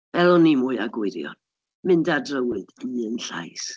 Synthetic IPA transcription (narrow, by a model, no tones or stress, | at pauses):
ɛlˠɔnimuɨaɡwʊɨɾjɔ̰n | mɨndadrəwɨð̥əɨənɬa̰js